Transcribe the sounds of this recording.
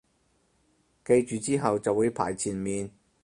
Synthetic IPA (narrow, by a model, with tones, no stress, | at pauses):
ke˧jt͡ʃyː˨t͡siː˥ɦɐ˨wt͡sɐ˨wːuː˨˧jpʰa̰ː˨˩jt͡sʰiː˨˩nmiː˨n